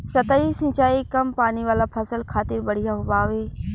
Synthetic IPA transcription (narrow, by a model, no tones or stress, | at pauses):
sɐt̪aisɪ̃ɲt͡ʃaːikɐmpaːniʋaːlapʰɐsəlkʰaːt̪ɪɾbɐɽ̤ijaɦʊbaːʋeː